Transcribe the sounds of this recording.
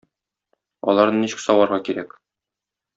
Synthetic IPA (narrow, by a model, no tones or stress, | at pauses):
ɒ̰lˠɑɾnɤniɕɘ̥̆ksɒwɑɾʁɑkiɾæk